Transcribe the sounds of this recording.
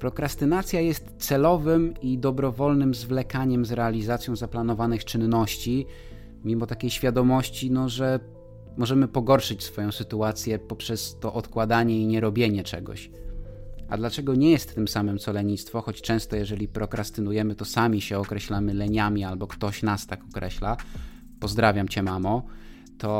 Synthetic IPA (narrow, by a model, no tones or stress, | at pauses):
pɾɔkɾast̪ɘnat̪sʲjajɛst̪t̪sɛlɔvɘmid̪ɔbɾɔvɔlnɘmzvlɛkaɲɛmzɾɛalʲizat̪sʲjɔ̃w̃zaplan̪ɔvanɘxt͡ʂɘnːɔɕt͡ɕi | mʲimɔt̪akʲejɕfʲjad̪ɔmɔɕt͡ɕinɔʐɛ | mɔʐɛmɘpɔɡɔɾʂɘt͡ɕsfɔjɔ̃w̃sɘt̪uat̪sʲjɛpɔpʂɛst̪ɔʔɔt̪kwad̪aɲɛiɲɛɾɔbʲjeɲɛt͡ʂɛɡɔ̰ɕ | a̰d̪lat͡ʂɛɡɔɲɛjɛst̪ːɘmsamɘmt̪sɔlɛɲist̪fɔxɔt͡ɕt͡ʂɛ̃w̃st̪ɔjɛʐɛlʲipɾɔkɾast̪ɘnujɛmɘt̪ɔsamʲiɕɛɔkɾɛɕlamɘlɛɲamʲialbɔkt̪ɔɕnast̪akɔkɾʔɛɕla | pɔzd̪ɾavʲjamt͡ɕɛmamɔ | t̪ʰɔ